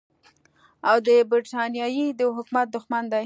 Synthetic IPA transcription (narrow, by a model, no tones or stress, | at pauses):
awd̪əbɪɾʈɑnjɑjid̪əɦʊkmat̪̚d̪ʊxmand̪a